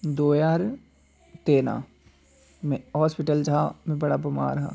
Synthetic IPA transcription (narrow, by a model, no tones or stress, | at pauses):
d̪oːjaːɾ | t̪eːna̰ː | mɛ̃ɦɔːspɪʈəld͡ʒamɛ̃bɐɽabɐma̰ːɾɦa̰ː